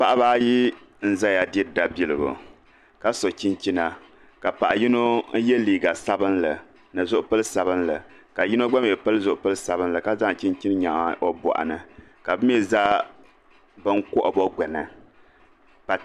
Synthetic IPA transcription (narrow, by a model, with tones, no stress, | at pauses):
pa˦ʔa˦baː˦ji˦ | n̩˦za˦ja˨dɛ˦˨da˨bi˦˨lɨ˨bo̰˨ | ka˦so˨t͡ʃi˦nt͡ʃi˦na˨ | ka˨pa˨ʔa˨ji˦no˦jɛ˦liː˨ɡa˨sa˦bɨ˦nla˨ | nɨ˨zʊ˦ʔʊ˦pa˦lɨ˦sa˨bɨ˦nla˨ | ka˨ji˦no˦ɡ͡ba˦m˨jɛ˨pa˦lɨ˦zʊ˨ʔʊ˦pɨ˦lɨ˦sa˨bɨ˦n˦la˨ka˦za˦ŋ˨t͡ʃi˦nt͡ʃi˦n˦ɲa˨o˦bɔ̰˨ʔa̰˨nɨ˨ka˨bɨ˦m˦ɛ˦za˦ | bɨ˦ŋ˦kʊ˦ʔa˨bɔ˦ɡɛ˨nɨ˨ | pa˨